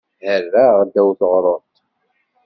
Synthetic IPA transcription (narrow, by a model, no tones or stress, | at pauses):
hərːæʁd̪ːæwθʁɾˤoɾt̪